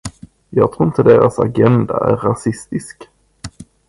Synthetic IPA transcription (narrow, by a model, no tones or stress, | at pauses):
jɑːɡ̚t̪ʰɾuːɪnt̪əd̪eːɾasa̰ɡɛnd̪aæɾːasɪst̪ɪsk